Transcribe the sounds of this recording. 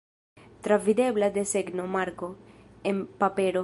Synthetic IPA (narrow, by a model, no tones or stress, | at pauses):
t̪ɾavid̪eβlad̪eseɡnomaɾkoempapeɾo